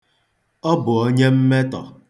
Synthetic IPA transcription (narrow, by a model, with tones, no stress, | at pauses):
ɔ˦bʊ˨o˦ɲe˦m̩˦me˦tɔ˨